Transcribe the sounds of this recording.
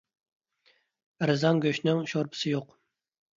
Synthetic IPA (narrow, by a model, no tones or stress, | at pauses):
ɾɨzɑŋɡʲøʃnɪŋʃoɾpʰɪ̥sɪjoq